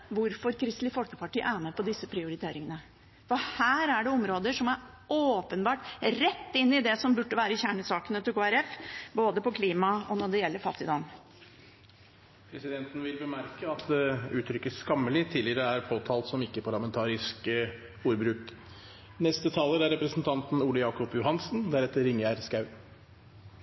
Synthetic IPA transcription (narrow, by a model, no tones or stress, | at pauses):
ʋʊɾfɔɾkʰɾɪst̪lɪfɔlkə̥pɑʈiːə̰ʔæːməpɔd̪ɪsːəpʰɾɪʊɾɪt̪ʰeːɾɪŋənə | fɔhæːɾæɖɛɔmɾoːd̪əʂɔmæɾ | oːpənbɑːʈɾɛt̪ːɪnːɪd̪ɛsɔmbʉʈːəʋæːɾəçæːɳəsɑːkənət̪ʰɪkoːæɾɛfboːd̪əpɔkʰliːmɑɔnɔɖɛjɛlːəɾfɑ̰t̪ʰːɪd̪ɑn | pʰɾɛsɪd̪ɛnt̪n̩ʋɪlbəmæɾkəɑt̪d̪ɛʉːt̪ʰɾʏkːəskɑmːəlɪt̪ʰɪːlɪəɾəæɾpʰoːt̪ʰɑːlt̪sɔmɪkːəpʰɑɾɭɑmɛnt̪ʰɑːɾɪsk | uːɾbɾʉːk | nɛst̪ət̪ʰɑːləɾæɾɛpɾəsnt̪ʰɑnt̪n̩uːləjɑːkɔpjʊhɑnsn̩d̪æɾɛt̪ːəɾɪŋːəæɾskɑʉ